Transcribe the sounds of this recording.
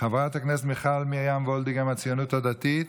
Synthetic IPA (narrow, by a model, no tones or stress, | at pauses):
χavʁat̪aknɛs̬tmiχalmiajamvɔld̪iɡamat͡sijonuthad̪at̪it̪